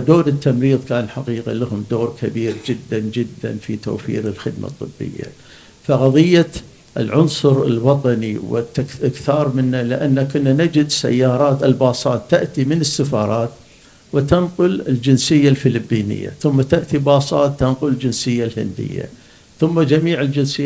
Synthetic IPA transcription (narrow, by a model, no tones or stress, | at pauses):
d̪oːɾɪt̪ːamɾiːðˤkaːnħaqiːqa̰lahʊmd̪oːɾkʰabiːɾd͡ʒɪd̪ːand͡ʒɪd̪ːa̰nfit̪o̰ːfḭːɾəlxɪd̪mʔa̰t̪ˤːɨbːɪ̰jːa̰ | faɣɑðˤɨjːa | ʔɪlʕʊnsˤʊɾɪlwɑt̪ˤɑniwɪ̰t̪akɪkθɑːɾˤmɪnːalɪʔanːakʊnːanad͡ʒɪd̪sa̰jːɑːɾˤɑːt̪ɪlbɑːsˤɑːt̪ːaʔt̪imɪnɪsːafɑːɾˤɑːt̪ | wɪt̪anqʊlɪld͡ʒɪnsɪjːalfɪlɪbːiːnɪ̰jːa̰θʊmːat̪aʔt̪ibɑːsˤɑːt̪ːanqʊlɪld͡ʒɪnsɪjːalhɪ̰nd̪ɪ̰jːa̰ | θʊmːad͡ʒamiːʕɪld͡ʒɪnsɪː